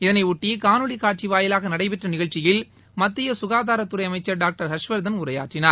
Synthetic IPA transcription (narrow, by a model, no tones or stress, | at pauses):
ɪðɐnɐɪʊʈːɪjkaːnɯɭikaːʈ̚t͡ʃiʋaːjɪlaːɣɐnɐɽɐɪpɛʈrɐnɪɣɐɭt͡ʃɪjɪl | mɐt̪ːɪjɐsʊɣaːðaːɾɐt̪ːʊɾɐɪɐmɐɪt͡ʃːɐɾɖaːk̚ʈɐɾhɐʂʋɐɾd̪ɐnʊɾɐja̰ːʈrɪnaːɾ